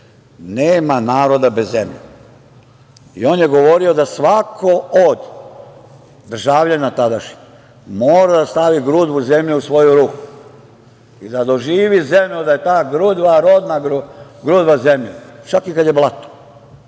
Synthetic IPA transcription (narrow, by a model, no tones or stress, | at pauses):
neːmanaːɾo̞d̪abezːemʎḛ | ḭo̞ːnjeɡo̞ʋo̞ɾio̞d̪asʋakʰo̞od̪ | d̪r̩ʒaːʋʎanat̪ad̪aʃɲi̥ | moːɾad̪ast̪aʋiɡɾud̪ʋuze̞mʎuusʋo̞juɾuːku̥ | id̪ad̪o̞ʒiːʋizemʎud̪ajet̪aːɡɾud̪ʋaɾod̪naɡɡɾud̪ʋaze̞mʎat͡ʃakikad̪je̞blˠat̪o̥